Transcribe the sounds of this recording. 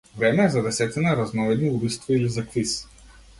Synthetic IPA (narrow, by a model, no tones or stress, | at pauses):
vɾɛmɛːzɐd̪ɛsɛt̪inaɾɐznɔvɛd̪niubist̪viilizɐkvis